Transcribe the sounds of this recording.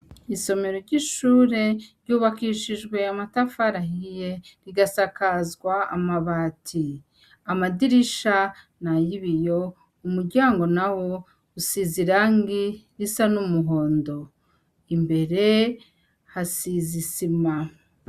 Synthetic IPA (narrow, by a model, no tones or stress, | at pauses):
iso̞me̞ɾoɾɟiʃuːɾe̞ɾɟuːβakiʃiʒɡwe̞amatafaɾaɦije̞ɾiɡasakazɡwa̰ːmaβaːtʰi | amadiɾiʃa | najiβijo̞ | umuɾɟaːŋɡo̞nawo̞ | usiziɾaːŋɡiɾisanumuɦo̞ːndo̞ | imbe̞ɾe̞ | hasizisima